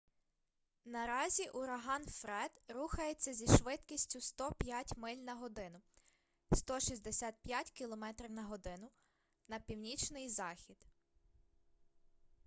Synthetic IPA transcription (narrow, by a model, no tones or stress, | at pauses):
nɐɾɑzʲiʔuɾɐɦɑnfɾɛd̪ɾuxɐjet͡sʲːɐzʲiʃʋɪt̪kʲisʲtʲʊst̪ɔpʲjatʲmɪlʲnɐɦɔd̪ɪnʊ | st̪ɔʃizʲd̪esʲɑt̪̚pjatʲkʲilˠɔmɛt̪ɾʲiwnɐɦɔd̪ɪnʊ | nɐpʲiwnʲit͡ʃnɪjzɑxʲid̪̥